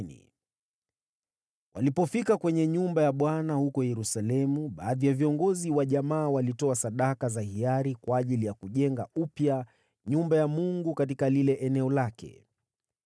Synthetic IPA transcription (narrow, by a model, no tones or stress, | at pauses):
nḭ | wʔa̰lipɔfikakwɛɲɛɲumbajaɓwanahukɔjɛɾusalɛmuɓaːðijaviɔŋɡɔziwaʄamaːwalitɔasaɗakazahiaɾikwaːʄilijakuʄɛŋɡaupja | ɲumbajamuŋɡukat̬ikalilɛʔɛnɛɔlakɛ̰